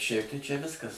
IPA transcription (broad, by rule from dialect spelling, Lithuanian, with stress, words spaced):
ˈʃʲɛɪp tɐɪ t͡ʃʲɛ ˈʋʲɪskɐs